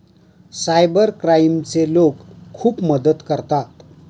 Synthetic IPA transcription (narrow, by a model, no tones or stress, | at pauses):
sajbəɾkɾajmt͡selokʰːuːpməd̪ət̪kəɾt̪at̪